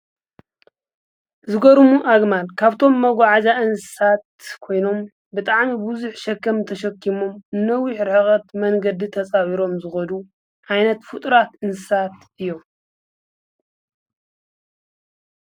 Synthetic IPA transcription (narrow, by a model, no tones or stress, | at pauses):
zɨɡɐɾumuʔaɡmalkʰaβt̪ʰo̞mːɐɡʷaʕazaɨnsɨ̥sat̪̚kʰo̞jno̞m | bɨt̪ʼaʕmibuzuħʃɐkːɐmt̪ʰɐʃɐkʰːimo̞mɨnːɐwiħɾɨħɨχʼɐt̪mɐŋɡɐd̪it̪ʰɐt͡sʼawiɾo̞mzɨxɐd̪u | ʕajnɐt̪fɨt̪ʼɾat̪ɨnsɨsat̪ | ɨjːo̞m